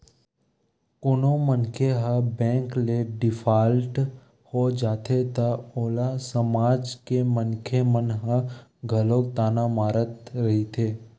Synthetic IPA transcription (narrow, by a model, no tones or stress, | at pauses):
konomənkʰeɦəbɛ̃ːŋkleɖɪpʰaːlʈ | hod͡ʒaːt̪ʰet̪əoːlasəmaːd͡ʒkemənkʰemənɦə̃ɡʱəloːkt̪aːnamaːɾət̪ɾəɦit̪ʰeː